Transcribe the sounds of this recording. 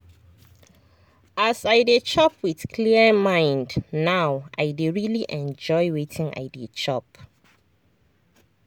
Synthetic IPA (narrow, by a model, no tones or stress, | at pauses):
ʔasaɪdet͡ʃɔpʰwiθkʰliəmãɪ̃ndnawʔa̰jdeɹiliʔɛ̃nd͡ʒɔjwetʰĩŋa̰ɪdit͡ʃʰɔp